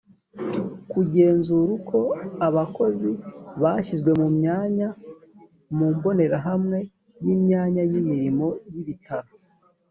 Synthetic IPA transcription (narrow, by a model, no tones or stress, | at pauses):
kuɟe̞ːnzuɾukʰo̞aβako̞ziβaʃizɡwe̞mumɲaːɲa | muːmbo̞ne̞ɾaɦamŋe̞ | jimɲaːɲajimiɾimo̞jiβitʰaɾo